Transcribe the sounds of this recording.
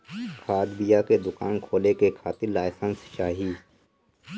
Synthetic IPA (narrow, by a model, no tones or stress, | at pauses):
kʰaːd̪bijaked̪ʊkaːnkʰoːlekekʰaːt̪ɪɾlaːɪsə̃nsʃaːɦiː